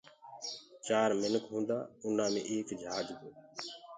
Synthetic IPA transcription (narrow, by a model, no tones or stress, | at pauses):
t͡ʃaːɾmɪnkɦũːnd̪aːʊn̤ãːmḛ̃ːʔeːkd͡ʒʱaːɡd̪oː